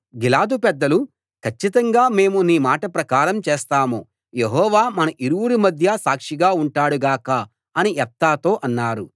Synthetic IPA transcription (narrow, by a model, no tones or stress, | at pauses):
ɡilaːd̪upɛd̪ːɐlu | kʰɐt͡ʃːit̪ɐŋɡaːme̞ːmuniːmaːʈɐpɾɐkaːɾɐmt͡ʃeːst̪aːmo | je̞ɦɔːʋaːmɐnɐʔiɾuwuɾimɐd̪ʱjɐsaːkʂiɡaːuɳʈaːɽuɡaːkɐ | ɐniʔɛp̚t̪aːt̪o̞ːʔɐnːaːɾu